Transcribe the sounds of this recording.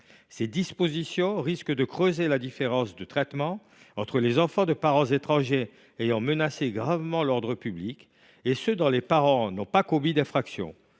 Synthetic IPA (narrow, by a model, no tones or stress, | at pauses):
sed̪ispozisjɔ̃ʁiskd̪əkχøzelad̪ifeʁɑ̃sd̪ət̪χɛt̪mɑ̃ | ɑ̃t̪χəlezɑ̃fɑ̃d̪əpaʁɑ̃zet̪χɑ̃ʒeː | jɑ̃mənaseɡʁavmɑ̃lɔʁd̪ʁəpyblik | esød̪ɔ̃lepaʁɑ̃nɔ̃pakobid̪ɛ̃fχaksjɔ̰̃